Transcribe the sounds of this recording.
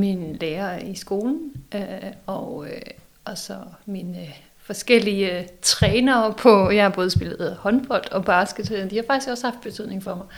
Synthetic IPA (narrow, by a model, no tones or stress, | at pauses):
minleːɐisɡ̥o̝ːln̩øɒø | ɒsɒminə | fɒ̽sɡ̥el̰iət͡sʰʁɛːnɐːpʰɒ̽jɑ̈hɑ̈b̥ɔ̽ːð̞ˠsb̥e̝lð̩ˠhɒ̽nb̥ɒl̰d̥ɒ̽b̥ɑ̈ːsɡ̥əd̥d̥ihɑ̈fɑɡ̥d̥isɡ̥ɒ̽shɑ̈fd̥̚b̥e̝t͡sʰyð̞̰ˠne̝ŋfɒ̽mɑ̈ɪ